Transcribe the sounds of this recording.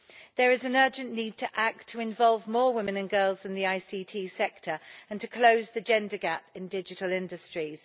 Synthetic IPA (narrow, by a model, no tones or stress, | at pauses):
ðəɹɪzə̃nɜːˑd͡ʒə̃nːiːd̚tʰəʔak̚tʰəɪ̃ɱvɒlˠvmɔːwɪ̃mɪ̃nə̃nɡɜːlˠzðə̃nðiaɪsiːtʰiːsɛk̚tʰəɹə̃ntʰəkʰl̥əʊzðəd͡ʒɛ̃ndəɡapɪ̃ndɪd͡ʒɪtəlɪ̃ndəstɹ̥iz̥